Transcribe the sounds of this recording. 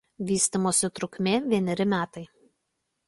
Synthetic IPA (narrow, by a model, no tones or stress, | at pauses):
ʋʲiːsʲt̪ʲimoːsʲɪt̪ɾʊkʲmʲeːʋʲiɛnʲɛɾʲɪmʲæːt̪ɐɪ